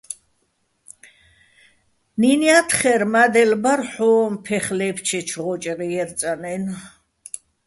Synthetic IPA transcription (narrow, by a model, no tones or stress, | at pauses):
ninjat̪ʰχɛɾmad̪ɛlbaɾħɔːmpʰɛχlɛpʰt͡ʃʰɛt͡ʃʰʁɔt͡ʃʼɾiɛɾt͡s̪ʼanɛn